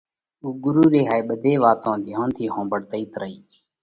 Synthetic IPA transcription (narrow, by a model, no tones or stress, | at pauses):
uːɡʊɾuːɾeːɦaːeːɓəd̪ʱeːʋaːt̪õːd̪ʱɪjõːnt̪ʰiːɦõːmbəɽt̪əiːt̪ɾəiː